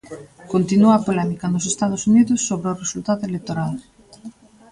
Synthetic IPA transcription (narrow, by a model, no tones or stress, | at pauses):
kont̪inuapolɛmikɐnʊsest̪að̞osuniðʊsːoβɾeoresult̪aðʊelek̚t̪oɾal